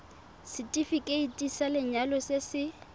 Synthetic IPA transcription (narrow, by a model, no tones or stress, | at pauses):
sɪtʼifikʼeitʼisalɪɲalɔsɪsɪ